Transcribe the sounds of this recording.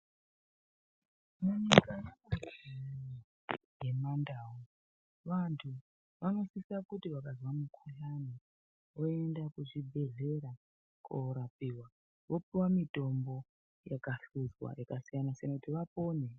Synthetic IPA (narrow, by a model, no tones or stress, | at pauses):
muɲikajemariieno | je̞mandaːwo | ʋantʰu | ʋano̞sisakutiʋakazwamukʰujani | oe̞ndakuʐibʱe̞ɮe̞ɾa | kʰoɾapiːwa | ʋo̞piwamito̞mbo | jakaɬuzwa̰jakasijanasijanakutiʋapo̞ːne